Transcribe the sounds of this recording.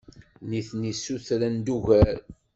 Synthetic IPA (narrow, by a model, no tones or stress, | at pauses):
niθnisːuθɾænd̪uʝæɾ